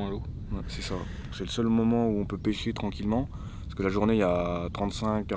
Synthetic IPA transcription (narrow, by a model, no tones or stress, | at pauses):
lo | wɛsɛsã | sɛləsœlmɔmɑ̃uɔ̃pøpeʃet̪χɑ̃kʲilmɑ̃ | ppskəlaʒuʁneiat̪χɑ̃t̪sɛ̃kːa